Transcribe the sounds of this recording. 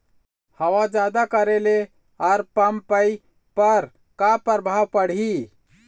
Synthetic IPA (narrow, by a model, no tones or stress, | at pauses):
həʋad͡ʒaːd̪akəɾele | aɾpəmpəi | pəɾ | kapəɾbʱawpəɽ̤i